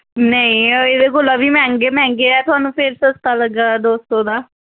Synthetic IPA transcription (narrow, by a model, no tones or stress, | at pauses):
nəĩːed̪ekolaːbiːmɛ̃ːŋɡeːmɛ̃ːŋɡeɛːt̪ʊaːnũːpʰeɾsəst̪aːləɡaːd̪oːst̪õːd̪aː